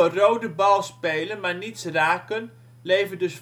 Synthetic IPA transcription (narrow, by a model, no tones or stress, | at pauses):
ərowdəbɑlˠspejlənmaːɹnitsraːkən | lejvədɵs